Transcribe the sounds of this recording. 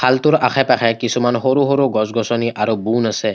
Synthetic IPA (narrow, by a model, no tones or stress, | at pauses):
kʰalt̪uɾaxʰapaxʰajkisumanɦoɾuɦoɾuɡɔzɡɔsɔniʔaɹubunasɛ